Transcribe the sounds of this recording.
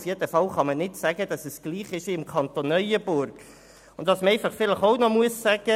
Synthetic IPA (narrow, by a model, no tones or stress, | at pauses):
fjedəfɑlχɑmənɪtsæɡəd̥ɑsəsɡ̥liːχɪʃʋiɪmkʰɑnt̪onːœʏəbʊɾɡ | ʊntd̥ɑsməɛɪfɑχfɪləχoʊnɔmuəsːæɡ̥ə